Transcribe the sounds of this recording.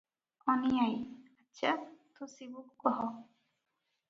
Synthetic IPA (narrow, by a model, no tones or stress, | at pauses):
ɔnijajaːat̪ʰusibukkɔɦɔ